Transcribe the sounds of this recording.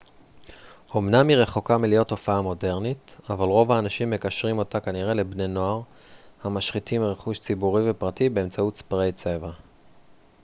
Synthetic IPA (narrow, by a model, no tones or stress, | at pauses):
o̞mnamiʁe̞χo̞kamilijotːo̞faamo̞de̞ʁnitavalʁo̞vaːnaʃimːe̞kaʃʁimo̞takaniʁe̞le̞bne̞no̞aʁ | hamaʃχitimʁeχuʃt͡sibuʁivepʁatibe̞ːmt͡sautt͡spaʁejt͡se̞va